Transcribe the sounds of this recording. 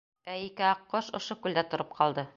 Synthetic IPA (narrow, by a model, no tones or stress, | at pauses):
æikɘɑqːoʃŏʃokʉld̪æt̪ŏɾɤp̚qʰɑlˠd̪ɤ